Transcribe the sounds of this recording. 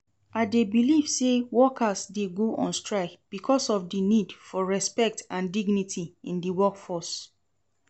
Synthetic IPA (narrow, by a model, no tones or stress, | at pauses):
ʔaɪdebiliv̥sewɔkʰasdeɡoʔɔ̰̃nstɹaɪkb̥ikʰɔsɔfdinidfɔɹɛspɛk̚tãndiɡnitʰiĩndiwɔkfɔs